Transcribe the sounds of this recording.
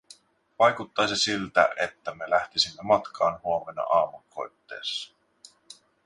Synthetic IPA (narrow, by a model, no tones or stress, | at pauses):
ʋɑjkut̪ːɑjsesilt̪æ̰ʔet̪ːæme̞læht̪isimːemɑt̪kʰɑːnhuome̞nɑ̰ʔɑːmuŋkʰːo̞̰jt̪ːe̞̰ːsːɑ̥